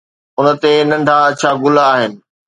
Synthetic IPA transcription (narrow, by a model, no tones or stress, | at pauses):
ʊnə̆t̪enɐ̃ɳɖʱat͡ɕʰaːɡʊlaːɦɪnɪ̆